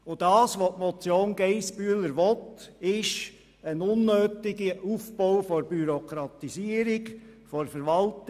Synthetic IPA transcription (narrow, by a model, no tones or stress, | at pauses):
ʊd̥ɑːsʋotmɔt͡sjoːnɡeɪspyələɾʋɔtɪʃ | ənʊnːøːtɪɡəufpowfɔɾbyɾɔkʰɾɑt̪isiəɾɪkfɔɾfəɾʋɑlt